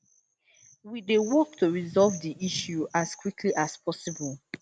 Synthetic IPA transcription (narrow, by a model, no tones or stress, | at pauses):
widewɔk̚tʰuɹizɔlvdiʔiʃjuaskwikʰliʔaspʰɔsibɔlˠ